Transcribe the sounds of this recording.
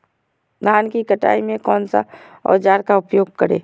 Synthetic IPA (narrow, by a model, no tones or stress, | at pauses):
naːnkikəʈa̰ːimẽkɔːnsa̰ | ɔ̰ːɾd͡ʒaːɾkaʊpjoːɡ̚kɐɾḛː